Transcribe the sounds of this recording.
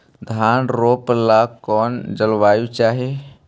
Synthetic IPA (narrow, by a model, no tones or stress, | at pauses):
d̪ʱaːnɾoplakɔːnd͡ʒəlwaːjut͡ʃaːɦe